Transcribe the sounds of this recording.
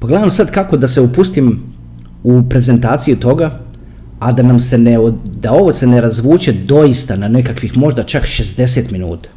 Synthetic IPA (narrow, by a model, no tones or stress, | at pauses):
paɡled̪amosad̪kako̞d̪aseupust̪im | upɾe̞ze̞nt̪aːt̪sijut̪o̞ɡaː | d̪anamse̞ned̪ao̞ʋose̞ne̞ɾazʋuːt͡ɕe̞d̪o̞jist̪ananekakʋixmo̞ʒd̪at͡ʃakʃe̞zd̪e̞set̪minṵːt̪ḁ